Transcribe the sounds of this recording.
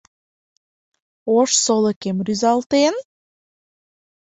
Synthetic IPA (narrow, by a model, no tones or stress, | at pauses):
oʃsolˠekemɾyzɑlˠt̪en